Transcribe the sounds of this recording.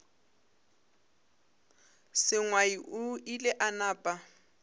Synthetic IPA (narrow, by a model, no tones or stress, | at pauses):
sɪŋwaiʔʊilɪʔanaːpʼa